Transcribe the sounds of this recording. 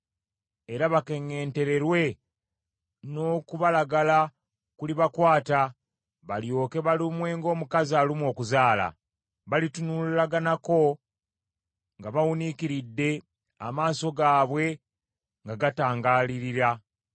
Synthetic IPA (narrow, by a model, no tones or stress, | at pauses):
e̞ɾaβake̞ŋːe̞ːnte̞ɾe̞ɾwe̞ | no̞ːkuβalaɡala | kuliβakwaːta | βaljo̞ːke̞βalimwe̞ːŋɡo̞ːmukaziaːlimwo̞ːkuzaːla̰ | βalitunullaɡanako̞ | ŋɡaβawunikiɾidːe̞ | a̰maːso̞ɡaːβwe̞ | ŋɡaɡataːŋɡaːliɾiɾa